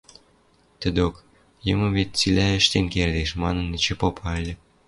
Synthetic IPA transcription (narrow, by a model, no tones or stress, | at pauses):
t̪ə̆d̪ok | jɤmɤ̆βet̪̚t͡silʲæə̆ʃt̪enkerd̪eʃmɑnə̆nːit͡ɕĕpopʰɑlʲə̆